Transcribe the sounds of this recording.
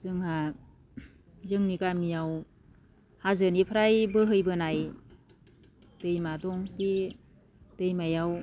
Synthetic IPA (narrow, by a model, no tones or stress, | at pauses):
zɯŋha | zɯŋnikamijaw | hazɯnipʰɾajbɯɦɯjbɯnaj | dɯjmadɔŋki | d̥ɯjmajaw